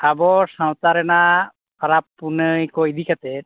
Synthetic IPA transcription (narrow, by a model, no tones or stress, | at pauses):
abɔsawt̪aɾɛna | pʰaɾapːunəjkɔid̪ikat̪ɛt̪